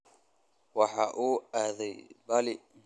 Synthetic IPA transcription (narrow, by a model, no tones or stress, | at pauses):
wɑħɑːʔuːaːðɛjbalɪ